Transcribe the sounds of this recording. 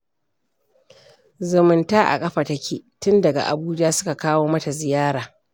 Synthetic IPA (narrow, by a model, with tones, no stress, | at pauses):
zʊ˨mɪ˨ntaː˦ʔa̰˨kʼɐ˦ɸa˨tɐ˦kʲḭː˨tʊ˦ndɐ˨ɡa̰˨ʔa̰˨buː˦d͡ʒaː˦sʊ˦ka˨kaː˦woː˦mɐ˦ta˨zɪ˨jaː˦ɽaː˨